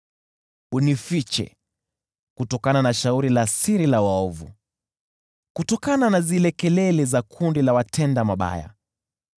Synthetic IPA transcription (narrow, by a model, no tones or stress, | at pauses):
unifit͡ʃɛ̰ | kutɔkananaʃauɾilasiɾilawaɔvṵ | kutɔkananazilɛkɛlɛlɛzakʰundilawatʰɛndamaɓa̰ja̰